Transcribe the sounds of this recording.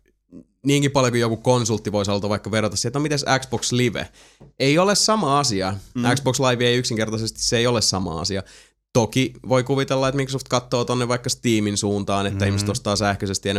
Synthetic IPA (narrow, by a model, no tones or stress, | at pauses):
niːŋkipɑljokujokukonsult̪ːiʋoisolt̪ɑʋʋɑikːɑʋerot̪ɑsiet̪nomit̪æsæksb̥oksliʋḛ | eiolessɑmɑɑsiɑæksbokslɑiʋieiyksiŋkert̪ɑsest̪i̥sseejolessɑmɑ̰ɑ̰siɑ | t̪okiʋoikuʋit̪elːɑet̪mikrosoft̪̚kɑt̪ːoːt̪onːeʋʋɑikːɑst̪iːminsuːnt̪ɑːnet̪ːæihmiset̪ost̪ɑːsæhkøsest̪iɑn